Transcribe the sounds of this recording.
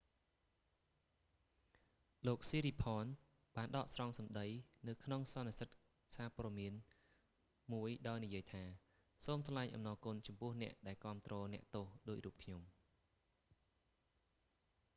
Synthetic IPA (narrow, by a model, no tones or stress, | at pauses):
loːk̚siːɾiːpʰɑːn | ɓaːnɗɑːʔsrɑŋsɑmɗəjnɨwkʰnoŋsɑnːisət̪̚ | saːpɔəɗmiən | muəjɗaɔjnijiəjt̪ʰaː | soːmsʰlaɛɲʔɑ̰mnɑːkuənt͡ɕɑmpʊ̆əhnɛ̆əʔɗaɛlkŏəmt̪rɔːnɛ̆əʔt̪oːhɗoːc̚ruːp̚kʰɲom